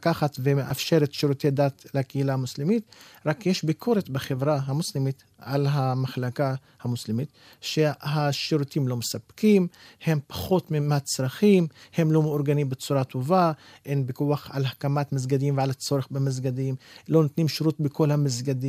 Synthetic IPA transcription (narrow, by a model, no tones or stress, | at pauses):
kaχat̪vemeʔa̰fʃeɾet̪ʃiɾut̪ejd̪at̪lakeilaamuslimit̪ʁakjeʃbikʰo̞ɾet̪beχevɾaɦamuslimit̪ | ʔalɦamaχlaka | hamuslimit̪ | ʃehaʃiɾut̪imlo̞mesapkimhe̞mpḁχo̞t̪mimatt͡sɾaχimhe̞mlo̞meuɾɡanimbet͡suɾat̪ova | ʔenbikuaχa̰lhakamat̪mizɡad̪imvealat͡so̞ɾeχbemizɡad̪imlo̞not̪nimʃiɾut̪beko̞lhamizɡad̪i